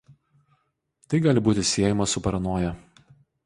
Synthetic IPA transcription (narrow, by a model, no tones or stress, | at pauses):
t̪ɐɪɡɑːlʲɪbuːt̪ʲɪsʲiɛjɪmɐsʊpɐɾɐnoːjɛ